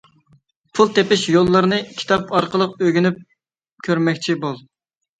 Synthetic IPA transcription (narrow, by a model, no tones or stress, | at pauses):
pʰulˠt̪epɪʃjolˠːəɾɨnɨkʲʰi̥t̪ʰɑpɑɾqəlˠəq̚øɡʲynyp̚ | kʲʰøɾmɛkʲt͡ʃʰibolˠ